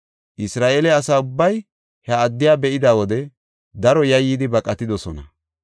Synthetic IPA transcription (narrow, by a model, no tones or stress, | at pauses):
ʔɪsɾaːʔeːlɛɐsaːʊbːɐj | hɐːd̪ːɪjaːbɛʔɪd̪aːwɔd̪ɛ | d̪ɐɾɔjɐjːiːd̪ɪbɐkʼɐt̪ɪd̪ɔsɔnɐ